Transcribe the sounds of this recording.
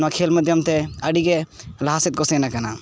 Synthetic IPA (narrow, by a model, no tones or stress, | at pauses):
akʰeːlməd̪ʱjəmt̪eəɖiɡelɐɦaːsit̪̚ɡosẽnakɐna